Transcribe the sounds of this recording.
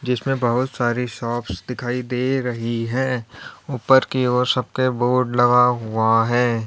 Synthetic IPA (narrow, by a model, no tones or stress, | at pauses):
d͡ʒɪsmẽbɐɦʊt̪saːɾiʃɔːpsd̪ɪkʰaːid̪eːɾɐɦiɦɛ̃ːuːpəɾkioːsɐb̚keboːɖlɐɡaɦuaɦɛː